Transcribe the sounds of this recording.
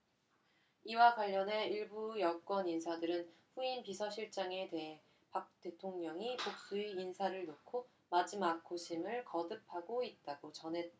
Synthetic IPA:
iwaɡwaʎːʌne̞iɭbujʌk͈wʌninsʰadɯɾɯnɸuinpisʰʌɕʰiɭt͡ɕ͈aŋe̞te̞ɦe | pak̚t͈e̞tʰoŋɲʌŋipok̚s͈uiːnsʰaɾɯɭnokʰo | mad͡ʑimak̚kʰːoɕʰimɯɭkʌdɯp̚ʰaɡoit̚t͈aɡot͡ɕʌnɦe̞t

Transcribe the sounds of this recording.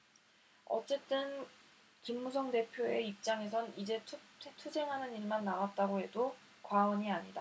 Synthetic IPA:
ʌ̰t͡ɕ͈e̞t͈ɯn | kimːus̬ʰʌŋde̞pʰjoe̞ip̚t͡ɕ͈aŋe̞sʰʌnid͡ʑe̞tʰtʰetʰud͡ʑe̞ŋɦanɯniɭmanːawat̚t͈aɡoɦe̞do | kwaʌɲiaɲida

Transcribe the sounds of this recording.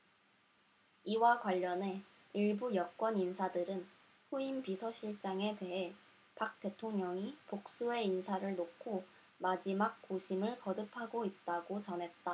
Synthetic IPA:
iwakwaʎːʌne̞ | iɭbujʌk͈wʌninsʰadɯɾɯn | ɸoimpisʰʌɕʰiɭt͡ɕ͈aŋe̞te̞ɦe̞ | pak̚t͈e̞tʰoŋɲʌŋipok̚s͈ue̞insʰaɾɯɭnokʰo | mad͡ʑimak̚k͈oɕʰimɯɭkʌdɯpʰaɡoit̚t͈aɡot͡ɕʌnɦe̞t̚t͈a

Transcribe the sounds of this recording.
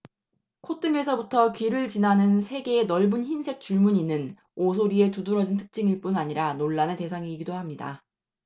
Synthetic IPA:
kʰot͈ɯŋe̞sʰʌbutʰʌkɥiɾɯɭt͡ɕinɦanɯnsʰe̞ɡe̞ːnʌɭbunçinsʰe̞k̚t͡ɕ͈uɭmuɲinɯn | osʰoɾie̞tuduɾʌd͡ʑintʰɯ̥k̚t͡ɕ͈iŋiɭp͈unaɲiɾanoɭːanɯte̞sʰaŋiɡidohamɲida̰

